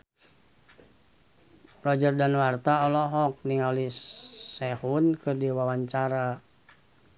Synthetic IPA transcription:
rɔd͡ʒərdanwart̪aɔlɔɦɔk̚niŋaulisehunkɨrdiwawaɲt͡ʃaɾa

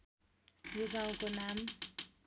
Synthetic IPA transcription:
juɡaw̃konam

